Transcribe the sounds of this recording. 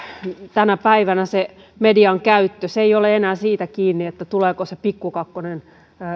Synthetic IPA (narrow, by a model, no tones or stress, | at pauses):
t̪ænæpæiʋænæse | mediɑŋkæyt̪ːøseioleenæːsiːt̪ækiːnːiet̪ːæt̪uleːkosepikːukɑkːonen